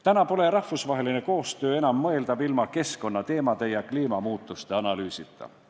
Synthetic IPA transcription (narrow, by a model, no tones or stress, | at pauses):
t̪ænɑpo̞le̞rɑhvusvɑɦe̞line̞ko̞ːst̪øːenɑmːɤeld̪ɑbilmɑke̞sko̞nːɑt̪e̞ːmɑd̪̥e̞jɑkliːmɑmuːt̪ˑːust̪e̞ɑnɑlyːsit̪ːˑɑ̰